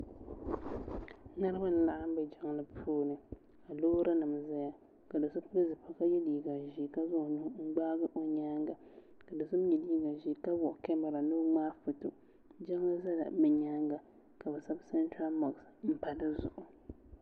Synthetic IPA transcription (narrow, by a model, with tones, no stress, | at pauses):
nɨ˦ɾɨ˦ba˦n̩˦la˦˨ʔa˦m˦bɛ˨d͡ʒɛ˦ŋ˦lɨ˦pʰuː˦nɨ˨ | a˨loː˦ɾa˦nɨ˨m˨za˦ja˨ | ka˨dɨ˨sʊ˦pbɨ˦zɨ˨pʰa˦ka˦jɛ˦liː˨ɡa˨ʒi˨ka˦zʊ˦hnʊ˦ŋ͡m̩˦ɡ͡baː˦ɡɨ˦ʔo˨ɲaː˦ŋɡa˨ | ka˨dɨ˨sʊ˦bɲɛ˨liː˦ɡa˨ʒi˨ka˦bɔ˨ʔkɛ˦ma˨ɾa˨nɨ˦ŋ͡maː˦fɨ˨tʊ˨ | d͡ʒa˦ŋ˦la˦za˦la̰˨mɛ˨ɲaː˦ŋɡa˨ | ka˨bɛ˨sa˦bsɛ˦ntɾa˦lma˨ksm̩˦pa˨lɨ˦zʊ̰˨ʔʊ˨